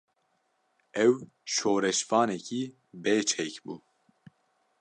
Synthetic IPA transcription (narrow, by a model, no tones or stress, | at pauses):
ɛw | ʃoːɾɛʃfɑːnɛcʰi | beːt͡ʃʰɛkbuː